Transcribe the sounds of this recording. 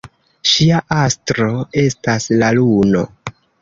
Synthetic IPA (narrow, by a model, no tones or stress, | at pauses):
ʃiaʔastɾo̞e̞staslaluno̞̰